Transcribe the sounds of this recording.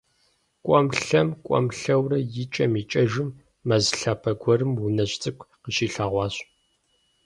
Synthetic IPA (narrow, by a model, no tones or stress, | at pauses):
kʷʼɔmɬɐmkʷʼɔ̰mɬɐwrɐjɪt͡ʃʼɐmiːt͡ʃʼɐʒɪmː | ɐzɬaːpʰɐɡʷɔrɨmwʊnɐɕt͡sʼɨkʷʰʼqəɕiːɬaːʁʷɑːɕ